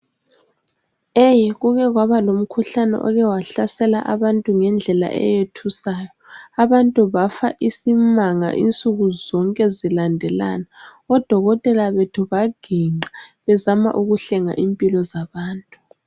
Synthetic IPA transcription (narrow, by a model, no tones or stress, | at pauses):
ejɣuɣɛɣwaβalom̩kʰuɬanɛ̰ʔɔ̰ɣɛwaɬasɛlaʔaβantʼuŋɛnd͡ɮʱɛla̰ʔɛ̰jetʰusaːjɔaβantʼuβafa̰ʔisimaŋa̰ʔḭnt͡sʼuɣuzɔŋkʼɛzilandʱɛla̰naɔd̥ʱɔɣɔtʼɛlaβetʰuβaɡ̥ʱiŋ͡ǀʱaβɛzama̰ʔuɣuɬɛŋa̰ʔimpʼilɔzaβaːntʼu